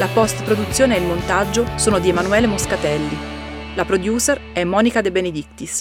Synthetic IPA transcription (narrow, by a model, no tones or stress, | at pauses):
lapɔst̪pɾod̪ut̪sːjoːneːilmont̪ad͡ʒːosoːnod̪iemanuɛːlemoskat̪ɛlːi | lapɾod̪juːserɛmːɔːnikad̪ebened̪ik̚t̪is